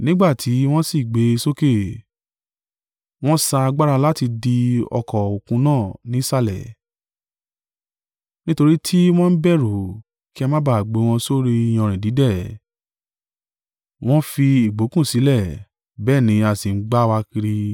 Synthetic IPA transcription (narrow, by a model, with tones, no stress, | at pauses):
nĩ˦ɡ͡ba˦˨tʰi˨˦w̃ɔ̃˦si˦˨ɡ͡be˨˦˧so˦ke˦˨ | w̃ɔ̃˦sa˧a˧ɡ͡ba˦ɾa˧la˦ti˧di˧ɔ̰˧kʰɔ˨o˨kũ˧˦nãː˦˨nĩ˨˦sa˦lɛ̰˨ | nĩ˦to˧ɾi˦tʰi˦w̃ɔ̃˦n̩˦bɛ˦˨ɾo˨ | ki˦a˧mã˦ba˨ɡ͡be˨˦w̃ɔ̃˧so˦ɾi˧j̃ɔ̃˧˨ɾ̃ĩ˨di˨˦dɛ˦˨ | w̃ɔ̃˦fi˧i˨ɡ͡bo˨˦kũ˦˨si˨˦lɛ˦˨ | bɛː˦˨nĩ˨˦a˨si˨n̩˦ɡ͡ba˦˧wa˧ki˧ɾi˧